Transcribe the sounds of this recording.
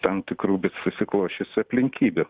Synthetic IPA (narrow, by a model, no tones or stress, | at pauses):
t̪ɐmt̪ʲɪkɾuːbʲɪssʊsʲɪklˠoːʃʲesʲɪɐpʲlʲɪŋʲkʲiːbʲɛ